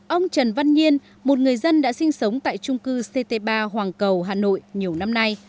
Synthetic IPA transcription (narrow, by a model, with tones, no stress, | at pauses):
ʔə˧wŋ͡mt͡ɕə˨˩nva˧nɲi˧ən | mo˨˩t̚ŋɨ˨˩əjzə˧nɗa̰ː˧˥sï˧ŋ̟sə˨˦wŋ͡mt̪a̰ː˧˨jt͡ɕʊ˧ŋ͡mkɨ˧se˧t̪e˧ɓaː˧ɦwaː˨˩ŋkə˨˩wɦaː˨˩no̰˧˨jɲi˨˩əwna˧mna˧j